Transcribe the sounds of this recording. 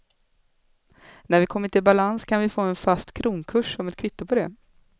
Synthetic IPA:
næɾvɪkʰɔmːəʈʰɪlbalanskʰanvɪfoːɛnfast̪kʰɾuːnkʰɵʂɔmɛt̪̚kʰvɪt̪ːʊpʰɔd̪ɛ

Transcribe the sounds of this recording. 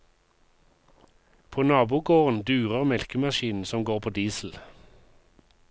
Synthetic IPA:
pʰoːnɑːbuːɡoːʁənd̪ʉːʁəʁmɛlkəmɑʃiːnn̩sɔmɡoːʁpʰoːd̪iːsl̩

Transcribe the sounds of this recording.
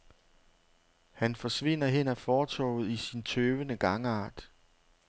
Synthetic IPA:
hænfɒ̽sʋe̝n̰ɐɦen̰æfɒːt͡sʰɒ̰ʊð̩ˠisint͡sʰøːʋənəɡ̥ɑ̈ŋəɑ̰̈ːd̥

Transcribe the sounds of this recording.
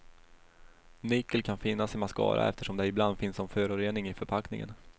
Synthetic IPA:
nɪkːəlkʰanfɪnːasɪmaskɑ̰ːɾʔa̰ɛ̰ft̪əʂɔmd̪ɛɪbland̪fɪnsɔmfœːɾʊɾeːnɪŋɪfœɾpʰaknɪ̰ŋə̰n

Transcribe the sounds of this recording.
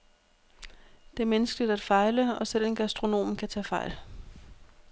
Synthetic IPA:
d̥e̝æɐmenəsɡ̥əlid̥æd̥fɑ̈ɪləɒ̽sel̰enɡ̥æsd̥ʁo̝no̝̰ːmn̩kʰæt͡sʰɛ̰ːfɑ̈ɪ̰l

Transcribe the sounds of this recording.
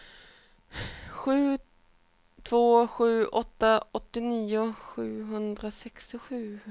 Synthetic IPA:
ɧʉ̟ː | t̪ʰv̥oːɧʉ̟ːʔɔt̪ːaɔt̪ːɪniːʊɧʉ̟ːɦɵnd̪ɾasɛkst̪ɪɧʉ̟ː

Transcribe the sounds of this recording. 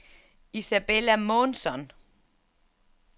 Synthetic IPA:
isæb̥elæmɔːnsɒ̽n

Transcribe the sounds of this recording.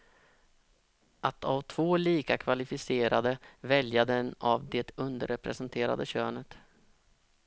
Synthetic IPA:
ʔat̪ʰavt̪ʰv̥oːliːkakʰvalɪfɪseːɾad̪əvɛljad̪ɛnavd̪ɛt̪ɵnd̪əɾɛpɾɛsɛnt̪ʰeːɾa̰d̪əɕøːnət̪

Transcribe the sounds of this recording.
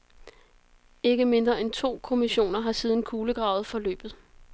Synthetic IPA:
e̝ɡ̥əme̝nd̥ʁɐent͡sʰo̝̰ːkʰo̝miɕo̝̰ːnɐɦɑ̈siːð̞ˠn̩kʰuːləɡ̥ʁɑ̈ʊð̞̩ˠfɒ̽lø̰ːb̥ð̩ˠ

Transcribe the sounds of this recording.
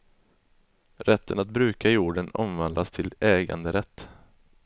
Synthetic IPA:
ɾɛt̪ːənat̪̚bɾʉ̟ːkajuːɖənɔ̰mvand̪ast̪ʰɪlɛːɡa̰nd̪əɾɛt̪ː

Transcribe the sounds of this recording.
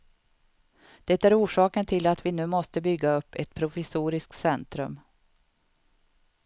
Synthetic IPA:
d̪̥ɛt̪æɾuːʂɑːkənt̪ʰɪlat̪vɪnʉ̟ːmɔst̪əbʏɡːaɵpːɛt̪pʰɾʊfɪsuːɾɪsk̪̚sɛnt̪ɾɵ̰m

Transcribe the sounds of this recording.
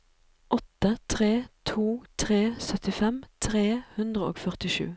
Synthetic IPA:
ʔɔt̪ət̪ʰʁeːt̪ʰuːt̪ʰʁeːsœt̪ɪfɛmt̪ʰʁeːhʉnd̪ʁəo̰ːɡfœʁt̪ɪʃʉ̰ː

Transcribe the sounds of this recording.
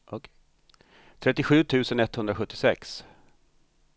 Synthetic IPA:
t̪ʰɾɛt̪ːɪɧʉ̟ːt̪ʰʉ̟ːsənɛt̪ːhɵnd̪ɾaɧɵt̪ːɪsɛks

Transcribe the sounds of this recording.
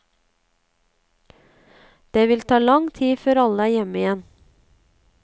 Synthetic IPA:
d̪̥eːʋɪlt̪ʰɑːlɑŋt̪ʰiːføːɾɑləæːɾjɛməɪjɛn

